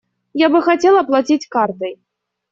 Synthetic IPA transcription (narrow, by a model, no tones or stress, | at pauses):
jabɨxat͡sʲɛlˠɐplˠat͡sʲit͡sʲkart̪ɐj